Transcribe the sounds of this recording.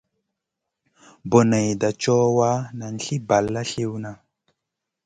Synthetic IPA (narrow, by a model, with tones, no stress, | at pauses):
bo˨nə˨jda˨t͡ʃɔ˦wa˦na˨n˦˨ɬi˦ba˨lːa˦ɬi˦wna˨